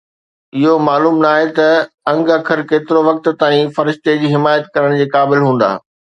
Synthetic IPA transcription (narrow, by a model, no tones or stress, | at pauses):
ɪɦomaːluːmnaːɦet̪ɐ | ɐ̃ŋɡəkʰəɾkeːt̪ɪɾoʋɐk̚t̪̆t̪aːĩfɐɾɪʃt̪ed͡ʑiːɦɪmaːjət̪̚kɐɾəɽ̃d͡ʑeːkaːbɪlɦũːn̆d̪a̰ː